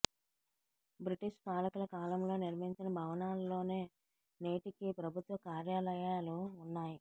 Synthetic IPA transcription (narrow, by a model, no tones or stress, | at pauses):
bɾiʈiʂpaːlɐkulɐkaːlɐmlo̞ːniɾʋɐɦiɲt͡ʃinɐbʱɐʋɐnaːllo̞ːne̞ː | ne̞ːʈikipɾɐbʱut̪ʋɐkaːɾjaːlɐjaːluːnːaːji